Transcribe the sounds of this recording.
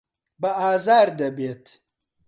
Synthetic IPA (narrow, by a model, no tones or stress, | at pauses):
bɐaːzaːɾd̪ɐbet̪